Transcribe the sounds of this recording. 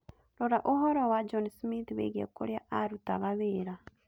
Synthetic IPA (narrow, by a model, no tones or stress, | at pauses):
lɔɾaʔoɦɔɾɔwad͡ʒɔnsmitwḛɣɛ̰koɾjaʔaɾutaβaβeɾa